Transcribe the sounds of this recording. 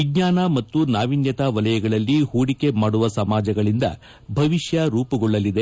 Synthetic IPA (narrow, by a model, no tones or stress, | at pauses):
ʋiɡɲaːnɐmɐt̪ːunaːʋinjɐt̪aʋɐlɐjɐɡɐɭɐlːihuːɽike̞maːɽuʋɐsɐmaːd͡ʒɐɡɐɭind̪ɐ̰ | bʱɐʋiʃjɐɾuːpɐɡɔɭːɐlːid̪e